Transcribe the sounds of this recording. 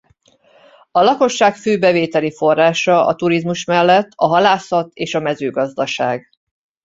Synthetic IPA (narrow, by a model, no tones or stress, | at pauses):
ɒlɒko̞ʃːaːkføːbɛveːt̪ɛlifo̞rːaːʃɒɒ̰t̪uɾizmuʃmɛlːɛt̪ʰːɒɦɒlaːsɒt̪ʰeːʃɒmɛzøːɡɒzd̪ɒʃa̰ːɡ